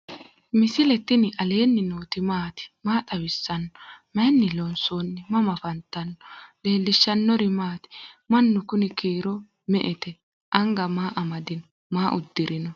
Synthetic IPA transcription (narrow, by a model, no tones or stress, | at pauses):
mɪsɪlɛt̪ːɪnɪʔɐle̞ːnːɪnoːt̪ɪmaːt̪ɪ̥maːt̪ʼɐwɪsːɐnːɔ̥mɐjnːɪlɔnsoːnːɪmɐmɐfɐnt̪ːɐnːɔle̞ːlːɪʃːɐnːɔɾɪmaːt̪ɪ̥mɐnːʊkʊnɪkiːɾɔ | mɛ̰ʔɛt̪ɛ | ʔɐŋɡɐmaːʔɐmɐd̪ɪnɔ | maːʔʊd̪ːɪɾɪnɔ